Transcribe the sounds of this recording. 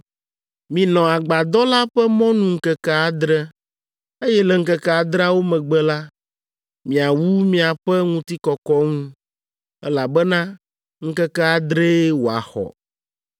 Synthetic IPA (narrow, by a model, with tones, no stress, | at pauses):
mĩ˨nɔ̃˨a˨ɡ͡ba˨d̪ɔ˦la˦ɸɛ˦mɔ̃˦nũ˦ŋ̩˦kɛ˦ka˦a˦d̪ɾɛ˦ | e˦jɛ˦lɛ˨ŋ̩˦kɛ˦ka˦a˨d̪ɾa˦wo˦mɛ̃˨ɡ͡bɛ˦la˦ | mĩ˨a˨wu˦mĩ˦a˨ɸɛ˦ŋũ˦t̪i˦kɔ˨kɔ˦ŋũ˦ | ɛ˦la˨bɛ˦nã˦ | ŋ̩˦kɛ˦kɛ˦a˦d̪ɾe˦wo˨a̰˨xɔ̰˨